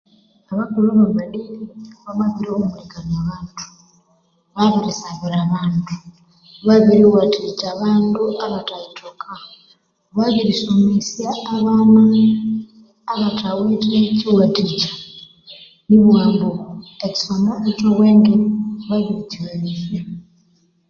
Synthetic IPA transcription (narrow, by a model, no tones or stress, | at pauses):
aβakuɾaβaβaliiβaβaβiɾiomuɾiɡanaβaːntʰu̥ | βaβiɾisaβiɾaβaːntu̥ | βaβiɾiwatid͡ʒaːβaːnduaβataitʰokʰa | βaβiɾisomisjaaβana | βatʰawiːteciwatid͡ʒḁ | niβwaːmboeci̥sonoutoweːŋɡeβaβiɾiciwalisja